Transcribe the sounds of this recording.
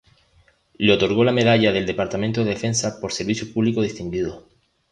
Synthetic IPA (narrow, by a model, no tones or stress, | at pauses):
leot̪o̞ɾɣ̞o̞lame̞ðaʎaðeld̪e̞paɾt̪amẽnt̪oðe̞ðe̞fe̞nsapoɾseɾβiθjopuβlikoð̞ist̪iŋɡiðo